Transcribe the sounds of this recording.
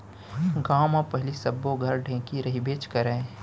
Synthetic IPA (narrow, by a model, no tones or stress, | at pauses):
ɡaːmapɐɦɪlisɐbːoɡʱɐɾɖʱẽːkiɾɐɦibeːt͡ʃkəɾəẽ